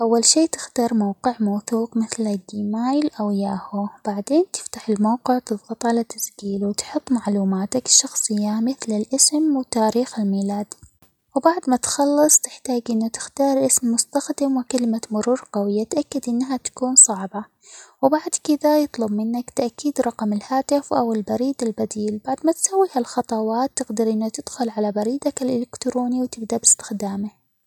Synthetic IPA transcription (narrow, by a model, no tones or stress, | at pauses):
ʔawːalʃiːt̪ɪ̥xt̪ɑːɾˤmawqɪʕmawθuːqmɪθlad̪ːiːmaːjlʔawjaːhub̥aʕd̪eːnt̪ɪ̥ft̪aħɪlmawqɪʕt̪ɨðˤɣɑt̪ˤʕalat̪ḁsɡiːlwt̪ħʊt̪ˤːmaʕluːmaːt̪akʃːɑxsˤɨjːamɪθlɪlʔɪsmwɪt̪aːɾiːxɪlmiːlaːd̪ | wɪbaʕd̪mat̪xɑlːɨsˤt̪ɪħt̪aːɡʔɪnːut̪ɪ̥xt̪ɑːɾˤʔɪsmːʊst̪axd̪ɪmwɪkalɪmamʊɾuːɾqawɪjːat̪ʔakːad̪ʔɪnːɦat̪ḁkuːnsˤɑʕbɑ | wɪbaʕd̪kɪd̪ajɨt̪ˤlʊbmɪnːakt̪aʔkːiːd̪ɾˤɑqɑmɪlhaːt̪ɪfʔawɪlbɑɾiːd̪albad̪iːlbaʕd̪mat̪sawːiːhalxɑt̪ˤɑwɑːt̪ːɪɡd̪ɪɾʔɪnːat̪ɪd̪̥xʊlʕalabɑɾiːd̪akɪlʔɪlɪkt̪ɾoːniwt̪ɪb̚d̪abɪst̪ɪ̥xd̪aːmɪh